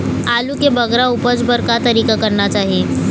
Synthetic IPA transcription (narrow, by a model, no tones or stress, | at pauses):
alukebəɡɾaupəd͡zbəɾkat̪əɾiːkakəɾnat͡ʃaɦie